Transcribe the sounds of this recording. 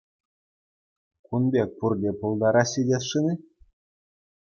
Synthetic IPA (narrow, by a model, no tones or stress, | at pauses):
kunbʲek̚ʲpurdʲepulˠd̪ɑɾɑɕʲidʲet̪ʂɯnʲi